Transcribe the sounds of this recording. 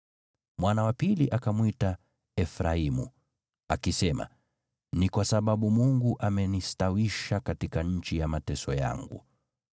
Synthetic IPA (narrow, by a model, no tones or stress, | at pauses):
mwanawapiliʔakamwita | ɛfɾaimṵ | akisɛma̰ | nikwasaɓaɓumuŋɡuʔamɛnistawiʃakatikaɲ̩t͡ʃijamatɛsɔja̰ŋɡṵ